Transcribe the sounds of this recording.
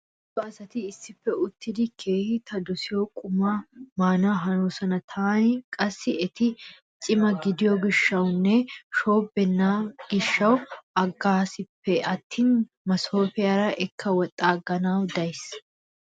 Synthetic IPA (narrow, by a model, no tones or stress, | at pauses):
t̪ːɔɐsɐt̪ɪːsːɪpːɛʊt̪ːɪd̪ɪkʰe̞ːhɪt̪ɐd̪ʊsɪjokʼʊmamaːnaːɦɐnoːsɐnɐt̪ʰaːnkʼɐsːɪɛt̪ɪ | t͡ʃʼɪmɐɡɪd̪ɪjɔɡɪʃːɐwnːɛʃo̞ːbːɛnːaɡ̥ɪʃːɐwɐɡːaːsɪpːɛɐt̪ːiːn | mɐso̞ːfɛjɐɾɐʔɛkʰːɐwɔt̪ʼːaːɡːɐnaːwd̪ɐjs